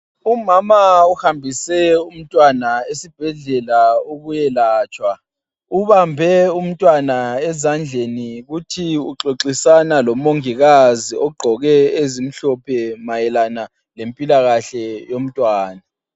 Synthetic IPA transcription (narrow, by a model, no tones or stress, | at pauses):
umamauhambʱisɛum̩tʼwanaesib̥ʱɛɮɛlaoɣujɛlaːt͡ʃʼwa | uβambʱɛum̩tʼwanaɛzand͡ɮʱeniɣutʰiuǁoǁisanalɔmoŋiɣaziʔɔɡ͡ǃʱɔɣɛezim̩ɬɔpʰɛmajɛlana | lempʼilaɣaɬɛjom̩tʼwaːna